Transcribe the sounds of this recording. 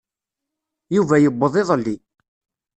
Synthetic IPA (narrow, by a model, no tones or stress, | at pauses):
juvæjəbːəðˤeðˤlːi